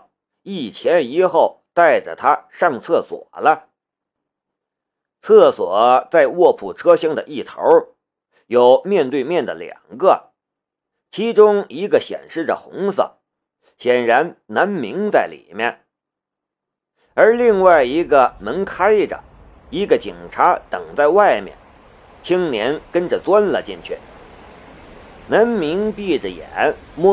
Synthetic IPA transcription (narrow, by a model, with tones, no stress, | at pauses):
i˥˩t͡ɕʰjɛ˧˥ni˧˥xo˥˩ʊt̪a˥˩ɪʈ͡ʂə̰˩t̪ʰa˥ʂɑ˥˧ŋt͡sʰɤ˥˩swɔ̰˨˩lə˦ | t͡sʰɤ˥˩swɔ˨˩˦t͡sa˥˧ɪwɔ˥˩pʰu˨˩ʈ͡ʂʰɤ˥ɕɤ˥ŋd̪ə̰˨ʔi˥˩t̪ʰo̰˧˥ʊ | jo˨˩ʊmjɛ˥˧nt̪we˥˧ɪmjɛ˥˩nd̪ə̰˩ljɑ̰˨˩ŋɡə˧ | t͡ɕʰi˧˥ʈ͡ʂʊ˥ŋi˧˥ɡə˧ɕjɛ̰˨˩nʂɻ̩˥˩ʈ͡ʂə̰˩xʊ˧˥ŋsə̰˨˩ | ɕjɛ˨˩nɻa˧˥nna˧˥nmi˧˥ŋt͡sa˥˩ɪlḭ˨˩mjɛ̰˥˩n | ə˞˧˥li˥˧ŋwa˥˩ɪi˧˥ɡə˧mə˧˥ŋkʰa˥ɪʈ͡ʂə̰˩ | i˧˥ɡə˧t͡ɕi˨˩ŋʈ͡ʂʰa˧˥t̪ɤ˨˩ŋt͡sa˥˧ɪwa˥˩ɪmjɛ̰˨˩n | t͡ɕʰi˥ŋnjɛ˧˥nkə˥nʈ͡ʂə˨˩t͡swa˥nlə̰˨t͡ɕi˥˧nt͡ɕʰy̰˥˩ | na˧˥nmi˧˥ŋpi˥˩ʈ͡ʂə˨˩jɛ̰˨˩˦nmɔ˥